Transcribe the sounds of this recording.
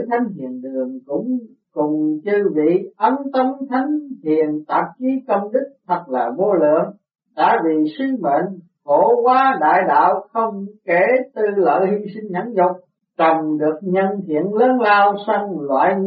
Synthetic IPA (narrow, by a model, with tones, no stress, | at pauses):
t̪ʰa˨˦jŋ̟hḭ˧˨ənɗɨ˨˩əŋkʊ̰˧˥ŋ͡m | kʊ˨˩ŋ͡mt͡ɕɨ˧ɓḭ˧˨ʔə˨˦nt̪ə˧mt̪ʰa˨˦jŋ̟hḭ˧˨ənt̪aː˧˨˩p̚t͡ɕi˨˦kə˧wŋ͡mɗɨ˦˥k̚t̪ʰə˨˩t̚laː˨˩vo˧lɨ̰˧˨əŋ | ɗa̰ː˧˥vi˨˩swi˧ŋmḛ˧˨n | ko˧˩kwaː˨˦ɗa̰ː˧˨jɗa̰ː˧˨wxə˧wŋ͡mke˧˩t̪ɨ˧lə̰ː˧˨jhi˧sï˧ŋ̟ɲa˨˦nzʊ˨˩k͡p̚ | t͡ɕə˨˩ŋ͡mɗɨ˨˩ək̚ɲə˧nt̪ʰḭ˧˨ənləː˨˦nlaː˧wsa˧ŋlwa̰ː˧˨j